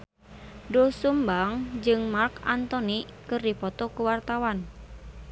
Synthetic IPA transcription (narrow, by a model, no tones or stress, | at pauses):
dosumbaŋd͡ʒɨŋmarkant̪ɔnikɨrdipɔt̪ɔkuwart̪awan